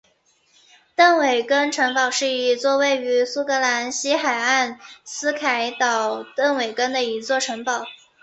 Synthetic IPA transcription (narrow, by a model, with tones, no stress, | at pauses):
t̪ɤ˥˩ŋwe˨˩ɪkə˥nʈ͡ʂʰɤ˧˥ŋpɑ˨˩ʊʂɻ̩˥˩i˧˥t͡swɔ˥˧we˥˩ɪy˧˥su˥kɤ˧˥la˧˥nɕi˥xa˨˩ɪa˥˩nsɹ̩˥kʰa˧˥ɪt̪ɑ˨˩ʊt̪ə˥˩ŋwe˨˩ɪkə˥nd̪ə˨i˧˥t͡swɔ˥˩ʈ͡ʂʰɤ˧˥ŋpɑ˨˩˦ʊ